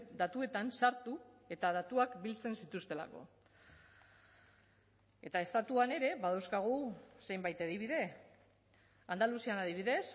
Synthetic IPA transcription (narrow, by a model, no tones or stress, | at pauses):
d̪at̪ue̞t̪ansaɾt̪u | e̞t̪að̞at̪uakbilt͡se̞nsit̪ust̪e̞la̰ko̞̰ | e̞t̪ae̞st̪at̪uane̞ɾe̞βaðawskaɣ̞use̞jmbajt̪eðiβ̞iðe̞ | and̪alusianaðiβ̞iðe̞s